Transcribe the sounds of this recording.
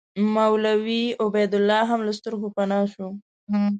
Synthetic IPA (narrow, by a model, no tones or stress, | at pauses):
mawlawiʊbejd̪ʊlːɑɦamlast̪ʊɾxopanɑʃo